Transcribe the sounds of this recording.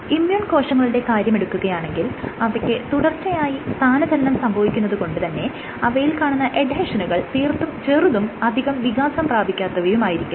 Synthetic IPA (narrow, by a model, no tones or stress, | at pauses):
imjuːɳko̞ːʂɐŋːɐɭiɽe̞kaːɾjɐme̞ɽukːuɣɐjaːɳe̞ŋɡilɐʋɐkʲːɨt̪uɽɐrt͡ɕːɐjaːjist̪ʰaːnɐd͡ʑɐɐnɐmsɐmbʱɐʋikʲːunːɐðuko̞ɳɖɨt̪ɐnːe̞ | ɐʋɐjilkaːɳunːɐʔeɖʱɐʂɐnuɣɐɭt̪iːrt̪ːumt͡ɕeːruðumɐd̪ʱiɣɐmʋiɣaːsɐmpraːbʱikʲːaːt̪ːɐʋɐjumaːjiɾikʲːu